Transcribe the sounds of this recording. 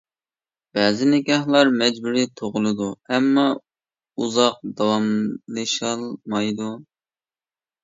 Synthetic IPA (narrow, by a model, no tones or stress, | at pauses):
b̥ɛːzɪnɪɡʲɛhlˠɑɾmɛd͡ʒbuɾit̪ʰoʁʊlˠɨd̪uɛmːɑ | uzɑq̚d̪ɑwɑmlɨʃɑlˠmɑjd̪u